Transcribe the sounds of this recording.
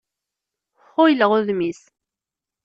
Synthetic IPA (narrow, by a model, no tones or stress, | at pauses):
χʊjləʁʊðmis